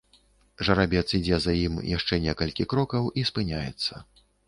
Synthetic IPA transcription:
ʐɐɾabʲɛt̪sid͡zʲɛzajimjaʂt͡ʂɛnʲɛkɐlʲkʲikɾɔkɐwʔispɨnʲajɛ̰t̪sːɐ

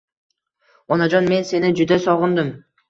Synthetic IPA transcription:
onod͡ʒonme̞nse̞nid͡ʒyd̪øsoʁʊnd̪ɯm

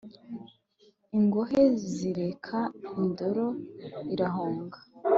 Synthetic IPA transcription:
iŋɡo̞ɦe̞ziɾe̞kʰaindo̞ɾo̞iɾaɦoːŋɡḁ

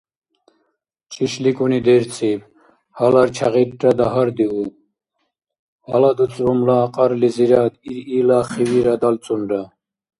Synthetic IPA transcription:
t͡ʃʰʼiʃlikʼunid̪ɛɾt͡sʼib | halaɾt͡ʃʰa̰ʁiɾɾad̪aɦaɾd̪iu | alad̪ut͡sʼɾɔmlaːqʼɑɾliziɾad̪iɾilaːχiwiɾad̪alt͡sʼunɾa

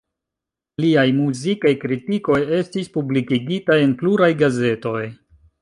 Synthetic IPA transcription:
liajmuzikajkɾitiko̞je̞stispublikiɡitajenpluɾajɡaze̞to̞j

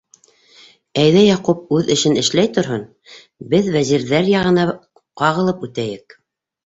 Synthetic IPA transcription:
æjðæjɑqup̚ʉðɘ̆ʃɘnɘ̆ʃlæjt̪ŏɾɦɤn | bɘðvæziɾðæɾjɑʁɤ̆nɑ | qɑʁɤ̆lˠɤpʉt̪æjɘk

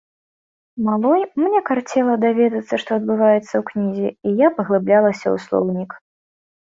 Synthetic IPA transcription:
malˠɔjmnʲɛkart͡sʲɛlˠɐd̪avʲɛd̪ɐt̪sːɐʂt̪ɔɐd̪̚bɨvajɛt̪sːɐwknʲizʲiijapɐɣlˠɨblʲalˠɐsʲɐ̰ṵslˠɔ̰wnʲik

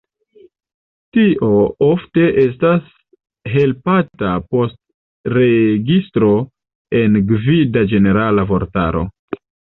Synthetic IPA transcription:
tiʔo̞ofte̞ʔe̞s̬tas | ɦe̞lpatapo̞st̚ | ɾe̞ɡistɾo̞ | e̞nɡvidad͡ʒe̞ne̞ɾalavo̞ɾta̰ɾo̞̰

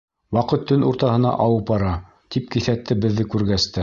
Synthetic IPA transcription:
wɑqɤt̪ːɵnuɾt̪ɑɦɤ̆nɑ̰ʔɑwɤpɑɾɑ | t̪ip̚kiθæt̪ʰːɘbɘ̆ðːɘkʉɾɡæst̪ɘ

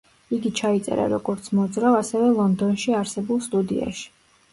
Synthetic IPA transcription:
iɡit͡ʃʰait̪sʼɛ̰ɾa̰ɾɔɡɔɾt̪sʰmɔd̪zɾavasɛvɛlˠɔnd̪ɔnʃiaɾsɛbulˠst̪ʼud̪ḭa̰ʃi̥

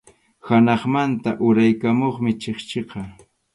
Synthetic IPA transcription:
hanɑχmant̪aʔʊɾajkamoχmɪt͡ʃeχt͡ʃeqɑ

